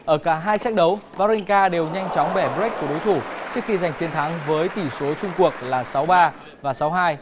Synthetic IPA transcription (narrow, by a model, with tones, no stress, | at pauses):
ʔəː˧˩kaː˧˩ɦaː˧jsɛː˦˥k̚ɗə˨˦wvaː˧ɾi˧ŋkaː˧ɗe˨˩wɲa˧jŋ̟t͡ɕɔ˨˦wŋ͡mɓɛ˧˩ɓk̚ku˧˩əɗo˨˦jt̪ʰu˧˩t͡ɕɨ˦˥ək̚xi˧za˨˩jŋ̟t͡ɕe˧nt̪ʰa˨˦ŋvəː˨˦jt̪i˧˩so˨˦t͡ɕʊ˧ŋ͡mku˨˩ək̚laː˨˩sa˨˦wɓaː˧ | vaː˨˩sa˨˦wɦaː˧j